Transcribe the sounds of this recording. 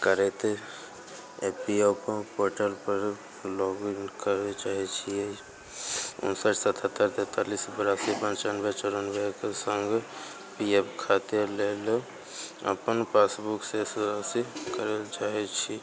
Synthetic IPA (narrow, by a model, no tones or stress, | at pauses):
kəɾet̪e | epioppoɾʈəlpəɾ | lɔɡinkəɾet͡ʃaɦɛt͡ʃʰie | ṵnsəʈsət̪ʰat̪ːəɾt̪et̪alisbəɾasipə̃nt͡ʃanbet͡ʃəɾənbekesəŋɡ | piepkʰat̪ijəlel | ə̰pənpʰesbuksesɾasikəɾelt͡ʃaɦɛt͡ʃʰi